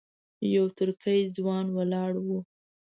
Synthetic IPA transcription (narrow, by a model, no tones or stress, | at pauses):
jawt̪ʊɾkəjd͡zwɑnwalɑɽwu